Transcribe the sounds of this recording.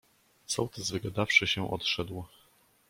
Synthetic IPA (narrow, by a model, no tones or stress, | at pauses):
t̪sɔwt̪ʰɛzvɘɡad̪afʂɘɕɛʔɔ̰t̪ʂɛd̪w